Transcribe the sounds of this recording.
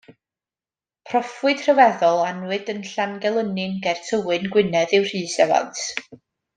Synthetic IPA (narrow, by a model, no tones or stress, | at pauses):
pʰrɔfwɨd̥r̥əvɛðɔlˠanwɨdənɬanɡɛlˠənɨnɡɛrtʰəwɨnɡwɪnɛðɨwr̥iːsɛva̰ntʰ